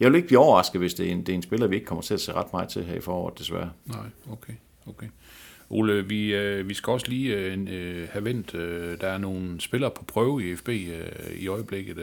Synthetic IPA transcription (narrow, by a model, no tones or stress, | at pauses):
jɑɪʋeleɡ̥əb̥liːɒʊɐʁɑ̈sɡ̥ð̩ˠʋe̝sd̥e̝end̥eæɐensb̥e̝lɐʋie̝ɡ̥̚kʰɒ̽m̰ɐt͡sʰe̝læse̝̰ːʁɑ̈d̥mɑ̈ːð̩ˠt͡sʰe̝lɦæɐifɒ̰ːɒ̰ːð̩ˠd̥e̝sʋæɐnɑɪ̰okʰe | okʰe | ʔo̝ːləʋiøʋisɡ̥æɒ̽sliː | hæʋen̰d̥ød̥ææɐno̝ːnsb̥e̝lɐːpʰɒ̽pʰʁœːʊiefb̥e̝̰ːiɒ̽ɪəb̥leɡ̥ð̩ˠ